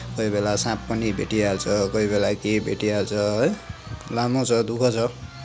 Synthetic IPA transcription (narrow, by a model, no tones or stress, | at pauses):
kʌibelasãp̚ːʌnibḛʈialt͡sʰʌkʌibelakebeʈialt͡sʰʌ | lamot͡sʰʌd̪ukʰʌt͡sʰʌ